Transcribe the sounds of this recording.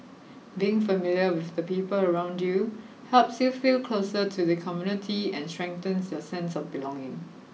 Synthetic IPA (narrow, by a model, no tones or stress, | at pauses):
biɪ̃ŋfəmiljəwɪθdəpiːpələɹãʊ̃ndju | hɛlpsjufilkʰlosətʰuðəkʰɔmjunɪtʰiɛ̰̃nstɹ̥ɛ̃ŋ̚tə̃nsjɔsɛ̃nsɔfbilɔ̃ŋɪ̃ŋ